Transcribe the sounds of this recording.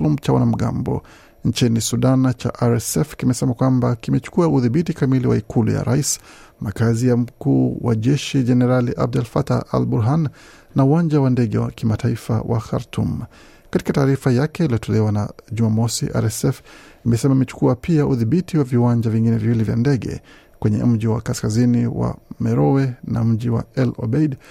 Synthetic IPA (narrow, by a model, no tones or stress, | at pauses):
lumt͡ʃawa̰nam̩ɠa̰mbɔ̰ | nt͡ʃinisuɗant͡ʃa̰ʔaɾɛsɛfkimɛsɛmakwambakimɛt͡ʃu̥kuauðiɓitikamiliwa̰ikʰulṵja̰ɾa̰is | makazijam̩kuːwa̰ʄɛʃid͡ʒɛnɛɾaliʔa̰b̚dalfata̰ʔa̰lbuɾɦan | nauwand͡ʒawandɛɠɛwa̰kimataifa̰wʔa̰xa̰ɾtʰṵm | kati̥kataːɾifajakɛiliɔtʰɔlɛwanaʄumamɔsiʔa̰ɾɛsɛf | imɛsɛmaimɛt͡ʃu̥kuapiaʔuðiɓitiwaviwaɲd͡ʒaviŋɡinɛviwilivja̰ndɛɠɛ̰ | kwɛɲɛ̰m̩ʄiwakaskaziniwa̰mɛɾɔwɛna̰m̩ʄiwa̰ɛlɔ̰bɛjd